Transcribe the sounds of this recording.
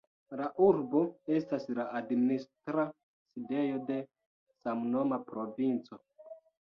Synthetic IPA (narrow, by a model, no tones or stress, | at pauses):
laʔuɾbo̞e̞staslaadministɾa | side̞jo̞de̞ | samno̞mapɾo̞vint͡so̞